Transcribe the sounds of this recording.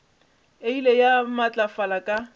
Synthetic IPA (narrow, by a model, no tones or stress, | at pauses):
eilejamat͡ɬʼafalakʼa